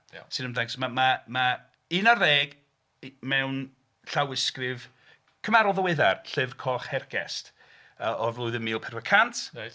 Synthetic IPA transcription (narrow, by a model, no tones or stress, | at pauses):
sɨnəmdɛŋksmamama | ɨnareːɡ | mɛwn | ɬawɪskrɪv | kʰəmaɾɔlˠðəwɪðarɬɪvrkʰɔχhɛrɡ̥ɛ̰st | əʔɔvlˠʊɨðənmiːlˠpʰɛrvəkʰantʰ